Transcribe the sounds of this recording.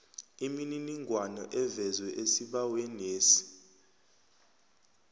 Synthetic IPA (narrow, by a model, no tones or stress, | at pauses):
imininiŋɡʱwanɔ̰ʔɛvɛzwɛʔesiɓawɛneːsi̥